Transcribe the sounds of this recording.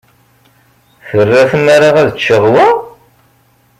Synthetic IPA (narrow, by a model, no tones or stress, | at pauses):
θərːæθəmaɾaʁæðət͡ʃːəʁwæ